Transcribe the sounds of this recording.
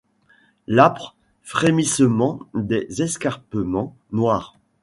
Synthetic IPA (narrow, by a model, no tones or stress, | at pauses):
lapχ | fχemisəmɑ̃d̪ezɛskaʁpəmɑ̃ | nwaːʁ